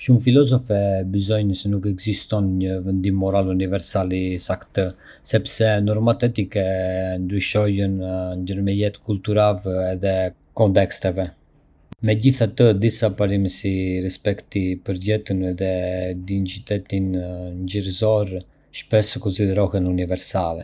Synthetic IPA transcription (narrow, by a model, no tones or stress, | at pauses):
ʃumfilɔzɔfɛbizɔjɲəsɛnukɛɡzist̪ɔnɲəvənd̪imːɔɾalunivɛɾsalisakt̪ə | sɛpsɛnɔɾmat̪ɛt̪ikɛnd̪ɾyʃɔjənɲɟəɾmɛjɛt̪kult̪uɾavɛðɛ | kɔnt̪ɛkst̪ɛvɛ | mɛɟiθat̪əd̪isapaɾiməsiɾɛspɛkt̪ipəɾɟɛt̪ənɛðɛd̪int͡ʃyt̪ɛt̪inɲd͡ʒəɾzɔɾ | ʃpɛsəkɔnsid̪ɛɾɔhɛnunivɛɾsalɛ̰